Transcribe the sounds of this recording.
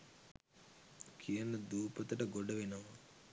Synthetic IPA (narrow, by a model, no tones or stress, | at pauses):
kʰiɐnɐd̪uːpɐt̪ɐʈɐɡoɖɐʋinɐmɐ